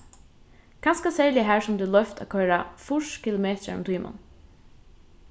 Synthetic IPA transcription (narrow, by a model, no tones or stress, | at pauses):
kʰanskasæːɹlɪɦæːɹsʊmd̪ʉːlœft̪a̰kʰœːɹafʊʂkʰɪlʊmeːt̪ɾa̰ɾʊ̰mt̪ʰuːmʔa̰n